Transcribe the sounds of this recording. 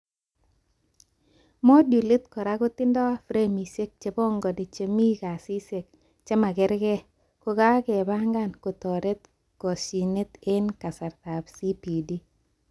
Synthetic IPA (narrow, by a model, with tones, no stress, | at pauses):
mɔ˦dju˨le˦t̪kɔ˨ɾa˦ɡʊ˦t̪ɪ˦ndɔ˦a˦fɾe˦mi˨se˦k̚t͡ʃe˨bɔ˦ŋɡɔ˨di˨t͡ʃe˨mi˦ka˨si˦se˨k̚ | t͡ʃɛ˦ma˨ɡɪ˦ɾɡɛ˦ | kʊ˨ɡa˦ɡɛ˨ba˦ŋɡa˦˨nko˨t̪ɔ˨ɾe˦t̪̚ | kɔ˨si˨ne˦t̪ɪ˦nka˨sa˨ɾt̪a˨bsi˦pi˨di˦